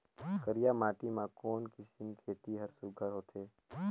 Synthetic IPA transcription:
kəɾijaːmaːʈimãkoːnkɪsɪmkʰeːt̪iɦəɾsʊɡʱəɾɦoːt̪ʰeː

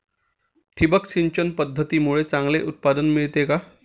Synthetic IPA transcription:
ʈʰibəksiɲt͡ɕənpəd̪ʱːət̪iːmuɭet͡sãŋɡleʔut̪̚pad̪ənmiɭt̪eka

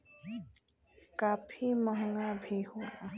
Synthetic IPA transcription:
kaːpʰiməɦŋabʱihoa

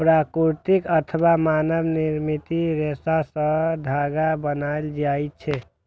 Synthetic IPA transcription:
pɾakuɾt̪ikət̪ʰəbamanəbniɾmit̪iɾesasə̃d̪ʱaɡabənald͡ʒajt͡ʃʰɛ

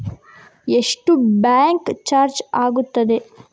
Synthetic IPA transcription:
eʂʈubaːŋkt͡ʃaːɾt͡ʃaːɡut̪ːɐd̪e

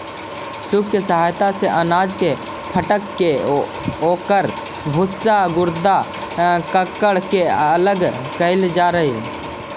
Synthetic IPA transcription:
sʊb̚kesəɦaːjt̪aseʔənaːd͡ʒke | pʰəʈəkːe | oːkəɾ | bʱʊsaɡʊɾd̪a | kəkːəɽkeələɡkəɪld͡ʒaːɾəɦi

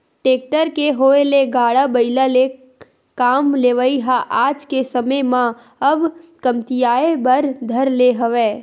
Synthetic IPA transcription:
ʈeːk̚ʈəɾkeɦoːeleɡaːɽabəɪlale | kaːmleːʋəiɦaʔaːd͡ʒkesəməjmã | ɐbkəmt̪ijaːebəɾd̪ʱəɾleɦəʋeː

